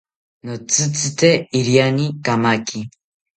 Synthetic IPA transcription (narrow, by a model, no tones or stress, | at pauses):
nɔt͡sɨt͡sitɛiɾianikamaki